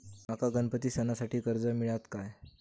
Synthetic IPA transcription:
makaɡənpət̪iːsənasaʈʰiːkəɾd͡zəmiɭat̪kaj

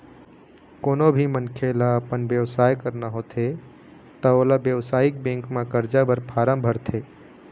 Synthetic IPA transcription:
koːnobʱimənkʰelaəpənbjəʋsaːjkəɾnaɦot̪ʰe | t̪əoːlabjəʋsaːɪk̚bẽŋkmãkəɾd͡ʒabəɾpʰaːɾəmbʱəɾt̪ʰe

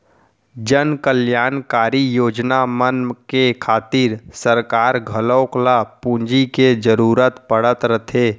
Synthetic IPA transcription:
d͡ʒənkəljaːnkaːɾijoːd͡ʒnamənkekʰaːt̪ɪɾsəɾkaːɾɡʱələːklapũːnd͡ʒiked͡ʒəɾuːɾət̪pəɽ̤ət̪ɾət̪ʰeː

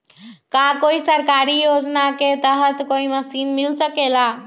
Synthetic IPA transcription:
kakoisəɾkaɾijod͡ʒnaket̪əɦət̪koiməsinmilsəkela

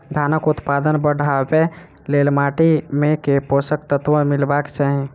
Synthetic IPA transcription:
d̪ʱanəkut̪pad̪ənbəɽ̤ʱabe | lelmaʈimekeposək̚t̪ət̪ʋə̃milbakt͡ʃaɦĩ

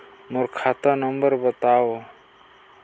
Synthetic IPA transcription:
mʊɾkʰat̪anəmbəɾbət̪ao

